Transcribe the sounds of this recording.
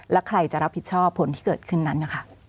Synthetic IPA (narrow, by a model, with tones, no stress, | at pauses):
lɛ˦˥wkʰɾa˧jt͡ɕa˨˩ɾa˦˥pʰːi˨˩t̪̚t͡ɕʰɔː˥˩pʰːo˩˦nt̪ʰiː˥˩kɤː˨˩t̪̚kʰɯ˥˩nːa˦˥nːa˧˩kʰa˥˩